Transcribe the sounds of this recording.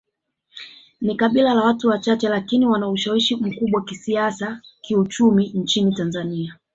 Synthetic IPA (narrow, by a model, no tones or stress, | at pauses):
nikaɓilalawatuwat͡ʃat͡ʃɛlakiniwanauʃawiʃim̩kuɓwaakisiasakiut͡ʃumin̩t͡ʃinitanzania